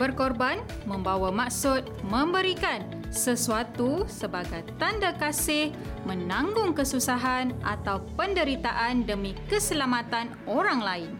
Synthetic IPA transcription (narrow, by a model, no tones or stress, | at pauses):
b̥ərkɔrban | mə̃mbawamaksʊt̪̚mə̃mbəɾikan | səsuat̪usəbaɡajt̪andakasɪh | mə̃nãŋɡʊŋkəsusaɦanʔa̰t̪awpəndəɾit̪aʔandəmĩkəsəlamat̪an | oɾaŋlaɪn